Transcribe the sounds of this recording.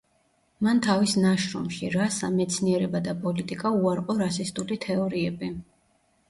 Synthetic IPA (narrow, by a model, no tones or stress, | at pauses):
mant̪ʰavisnaʃɾɔ̰mʃiɾasa̰mɛt̪sʰniɛɾɛbad̪apʼɔlit̪ʼikʼauaɾqʼɔɾasist̪ʼulit̪ʰɛɔɾiɛbi